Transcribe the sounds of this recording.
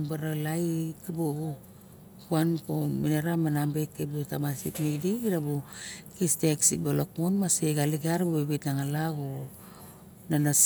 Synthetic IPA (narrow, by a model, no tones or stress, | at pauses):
baɾalajkibo | kuankominaɾamanambekːebutamasḭtnediiɾabukisteksikbolokmonmaseɡaliɡeaɾbubebitnaŋalaɡo | nanas